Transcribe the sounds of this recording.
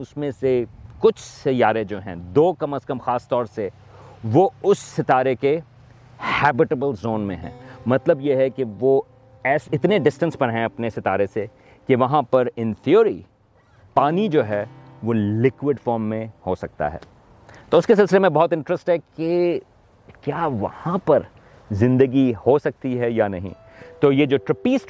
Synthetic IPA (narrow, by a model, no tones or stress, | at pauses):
ʊsmẽsekʊt͡ʃʰsɪjaːɾed͡ʒoːɦɛ̰̃d̪oːkɐməskɐmxaːst̪ɔːɾse | ʋoʊsːɪt̪aːɾeke | hɛːbɪʈəbəlzoːnmḛ̃ɦɛ̰̃ːmɐt̪ləbjeɦɛkeʋo | ɛːsɪt̪neɖɪsʈə̃nspɐɾɦɛ̃ɐpnesɪt̪aːɾese | keʋɐɦãpɐɾɪ̃nt̪ʰioɾḭ | paːnid͡ʒoːɦɛ | ʋoːlɪkwɪɖfɔːɾmːẽhosɐk̚t̪a̰ɦɛ̰ː | t̪oːʊskesɪlsɪlemẽbɔɦʊt̪ɪ̃ɳʈɾəsʈɦɛke | kjaːʋɐ̰hãpɐɾ | zɪ̃nd̪əɡihosɐk̚t̪iɦɛjanɐɦḭ̃ | t̪oːjed͡ʒoːʈɾɪpiːsʈ